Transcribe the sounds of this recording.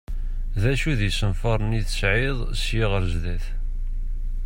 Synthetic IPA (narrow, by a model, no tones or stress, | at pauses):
ðæʃuðisənfɑɾˤniθə̥sʕɪðˤsjɪʁəɾzðæθ